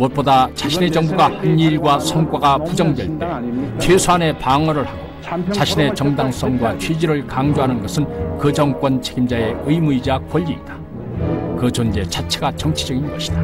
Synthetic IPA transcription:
mot̚p͈odat͡ɕaɕʰine̞d͡ʑʌŋbuɡahɯɲiɾɡwasʰʌŋk͈waɡapud͡ʑʌŋdweɭt͈e̞t͡ɕʰwesʰoane̞paŋʌɾɯɭhaɡo | t͡ɕaɕʰine̞t͡ɕʌŋdaŋs͈ʌŋɡwat͡ɕʰwid͡ʑiɾɯɭkaŋd͡ʑoɦanɯnɡʌsʰɯnkɯd͡ʑʌŋk͈ʌnt͡ɕʰe̞ɡimd͡ʑae̞ɯimuid͡ʑakwʌʎːiːtḁ | kɯd͡ʑond͡ʑe̞t͡ɕʰat͡ɕʰeɡat͡ɕʌŋt͡ɕʰid͡ʑʌɡinɡʌɕʰi̥d̥a

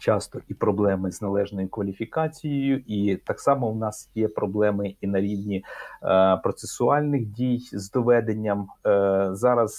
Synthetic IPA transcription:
t͡ʃɑst̪ɔipɾɔblˠɛmɪznɐlˠɛʒnɔjʊkʋɐlʲifʲikɑt͡sʲijejʊʔit̪ɑksɑmɔwnɑsjɛpɾɔblˠɛmɪinɐɾʲiwnʲi | pɾɔt̪sesʊɑlʲnɪxdʲijzd̪ɔʋɛd̪enʲːɐm | zɑɾɐz

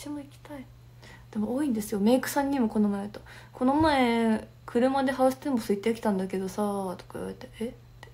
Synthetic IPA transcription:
t͡ɕimoikʲi̥t̪ai | d̪̥e̞mooːĩnd̪e̞sɨjo̞me̞ːkɯ̟̥sãɲ̟ːimo̞ko̞nomaet̪o̥ | ko̞no̞mae | kʰɯ̟ɾɯ̟mad̪e̞ɦaɯse̥t̪ẽ̞mbosoit̪ːeokʲi̥t̪ãnd̪ake̞d̪o̞sat̪o̥kaj̰iβa̰et̪ee

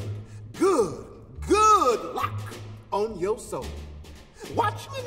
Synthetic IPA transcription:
ɡʊd̚ | ɡʊdˡlʌkə̃njə˞soʊlˠ | wɑt͡ʃɪ̃ŋjɨn

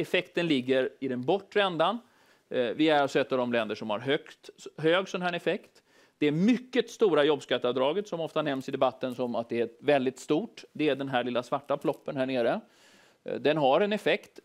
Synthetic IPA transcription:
ɛfɛkt̪ənlɪɡːəɾɪd̪ɛnbɔʈːɾɛnd̪an | vɪæɾasɔɛt̪ːavd̪ɔmlɛnd̪əʂɔmha̰ɾɦœkt̪ɦøːɡsɔnhæːnɛfɛkt̪ | d̪̥ɛæɾmʏkːət̪st̪uːɾajɔbːskat̪ːəavd̪ɾɑːɡət̪sɔmɔft̪anɛmsɪd̪ɛbat̪ːənsɔmat̪̚d̪ɛævɛld̪ɪt̪st̪uːʈd̪ɛæɖɛnɦæɭɪlːasvaʈːafʰlɔpːənɦæːɳeːɾə | d̪ɛnɦaɾɛnɛfɛkt̪

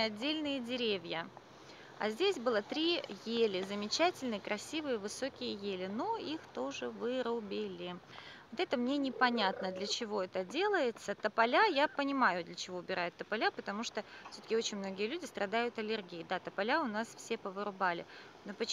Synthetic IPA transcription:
ɐdʲːelʲnɨjədʲɪɾʲevʲjə | a̰zʲdʲesʲbɨlˠət̪ɾʲijelʲɪzəmʲɪt͡ɕætʲɪlʲnɨjəkɾʔɐsʲivɨjəvɨso̞kʲɪjəjelʲɪno̞ixt̪o̞ʐɨvɨɾʊbʲɪlʲɪ | vot̪ɛt̪əmnʲe̞nʲɪpɐnʲat̪nəd̪lʲət͡ɕɪvo̞ɛt̪ədʲe̞lˠəjɪt̪sət̪əpɐlʲajapənʲɪmajʊd̪lʲət͡ɕɪvo̞ʊbʲɪɾajʊt̪ːəpɐlʲapət̪ɐmuʂt̪ofsʲot̪ə̥kʲɪo̞t͡ɕɪnʲmnoɡʲɪjəlʲʉdʲɪst̪ɾʔɐd̪ajʊt̪ɐlʲɪrɡʲijɪd̪at̪əpɐlʲaʊnasfsʲe̞pəvɨɾʊbalʲɪ̰ | nopət͡ɕ

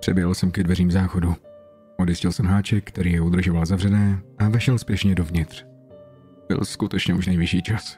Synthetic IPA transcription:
pr̥ɛbjɛɦl̩sɛmkɛdvɛriːmzaːxo̞du | ʔodjɪscɪlsɛmɦaːt͡ʃɛk̚kːt̪ɛɾiːjɛud̪r̩ʒovalzavrɛnɛːʔavɛʃɛlspjɛʃɲɛdovɲɪt̪r̝̥ | b̥ɪ̰lskut̪ɛt͡ʃɲɛʔuʃnɛjvɪʃiːt͡ʃas

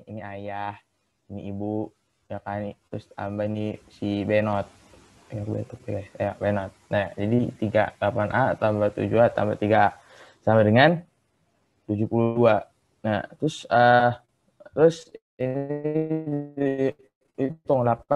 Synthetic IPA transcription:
iniajah | iniibu | jakanit̪ɾʊst̪a̰mbainisibenɔt̪̚ | jakbḛt̪ɔk̚iɡasjabenɔt̪̚nad͡ʒadit̪iɡa̰lapanʔat̪ambat̪ṵd͡ʒuat̪a̰mba̰t̪iɡaa | samadəŋan | t̪ud͡ʒupuludua | nat̪ɾʊsə | t̪ɾʊs | ini | it̪ʊŋlap̚a

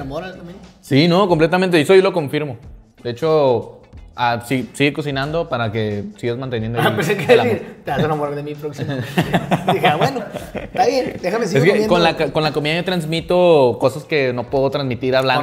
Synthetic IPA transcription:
amoɾast̪amensinokomplet̪̬amẽnt̪ees̬ojoloko̞ɱfiɾmo̞ | d̪eet͡ʃo̞ | asisiɣeko̞sinãnd̪o̞paɾake̞siɣazmant̪e̞njend̪opesekeeiɾt̪easenamoɾðemipɾoksim | ðixeaβwenot̪aβjend̪examesieskekonlakko̞nlako̞miðajot̪ɾanzmit̪oko̞saske̞no̞pweðot̪ɾanzmit̪iɾaβlan

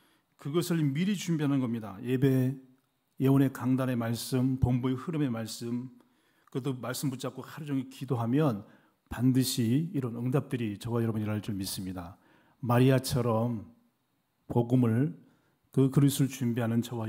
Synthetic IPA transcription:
kɯɡʌsʰɯɭmiɾit͡ɕumbiɦanɯnɡʌmɲidaje̞be̞ | jewone̞kaŋdane̞maɭs͈ɯmpombuehɯɾɯme̞maɭs͈ɯm | kɯdomaɭs͈ɯmbut͡ɕ͈ʰap̚k͈okʰaɾɯd͡ʑʌŋikidoɦamjʌn | pandɯɕʰiːɾʌnɯŋdap̚t͈ɯɾit͡ɕʌwajʌɾʌbuniɾaɭt͡ɕ͈ʌɭmis͈ɯmɲida | maɾiat͡ɕʰʌɾʌm | poɡumɯɭ | kɯkɯɾisʰut͡ɕumbiɦanɯnt͡ɕʌwa

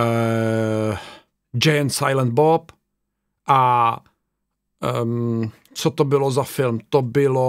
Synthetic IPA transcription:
ə | d͡ʒensajlə̃nt̪̚bɔp | a | əm | sɔt̪ɔbɪlɔzafɪlmt̪ɔbɪlo

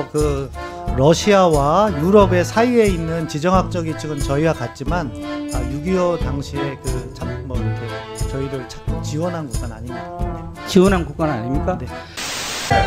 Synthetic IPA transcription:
kɯ | ɾʌɕʰiawajuɾʌbe̞sʰaie̞inːɯnt͡ɕid͡ʑʌŋɦak̚t͡ɕ͈ʌɡit͡ɕʰɯɡɯnt͡ɕʌiwakat̚t͡ɕ͈imanajuɡiʌdaŋɕʰie̞kɯt͡ɕʰammʌikʰe̞ | t͡ɕʌiɾɯɭt͡ɕʰḁk̚ut͡ɕiwʌnɦankuk͈ana̰ɲimɲida | t͡ɕiwʌnɦankuk͈ana̰ɲimɲik͈ane̞

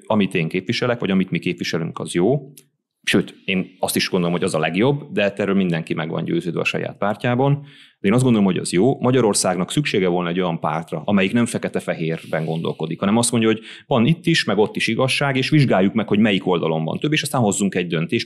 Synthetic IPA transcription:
ɒmit̪eːŋkeːpʋiʃɛlɛkʋɒ̰ɟɒmit̪mikeːpʋiʃɛly̰ŋkɒ̰zjoː | ʃøːt̪eːnɒst̪iʃɡond̪olomoɟɒzɒlɛɡjo̞bːd̪ɛt̪ːɛːɾøːlmind̪ɛŋkimɛɡʋɒ̰nɟø̰ːzøːd̪ø̰ɒ̰ʃɒ̰ja̰ːt̪̚paːrcaːbɒnd̪̥ɛeːnɒz̬ɡod̪olo̞mho̞ɟɒ̰zjoːmɒɟɒɾo̞rsaːɡnɒksykʃeːɡɛvo̞lnɒɛɟo̞jɒmpa̰ːrt̪rɒʔɒmɛjiknɛɱfɛkɛt̪ɛfɛɦeːrbɛŋɡo̞n̪d̪o̞̰lko̞d̪ikhɒnɛmɒst̪mo̞ɲɟɒɦoɟ | vɒnit̪ːiʃmɛɡo̞t̪ːiʃiɡɒʃːaːɡeːʃʋiʒɡaːjːukmɛkho̞ɟmɛjiko̞ld̪ɒlo̞mbɒ̰nt̪øbːeːʃɒst̪aːnɦo̞zːuŋkɛɟd̪ønt̪eːʃ

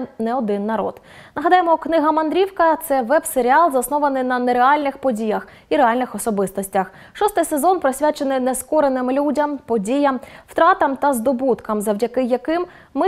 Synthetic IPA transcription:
nɛɔd̪ɪnːɐɾɔ̰d̪̥ | nɐɦɐd̪ɑjemɔknɪɦɐmɐnd̪ɾʲiwkɐt̪sɛʋɛbseɾʲɪɑlˠzɐsnɔʋɐnɪjnɐneɾeɑlʲnɪxpɔdʲijɐx | iɾeɑlʲnɪxɔsɔbɪst̪ɔsʲtʲɐx | ʃɔst̪ɪjsezɔnpɾɔsʲʋʲat͡ʃenɪnɛskɔɾenɪmlʲudʲɐmpɔdʲijɐmw̥t̪ɾɑt̪ɐmt̪ɐzd̪ɔbut̪kɐmzɐwdʲɐkɪjːɐkɪmː | ɪ

